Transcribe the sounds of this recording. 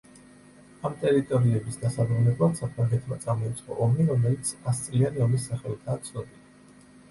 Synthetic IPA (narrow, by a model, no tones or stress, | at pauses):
amt̪ʼɛɾit̪ʼɔɾiɛbisd̪asabɾunɛblˠad̪sapʰɾaŋɡɛt̪ʰmat̪sʼamɔit̪sʼqʼɔ̰ʔɔmiɾɔmɛlit̪sʰast̪sʼlianiɔmisːaχɛlˠt̪ʰaːt̪sʰnɔbina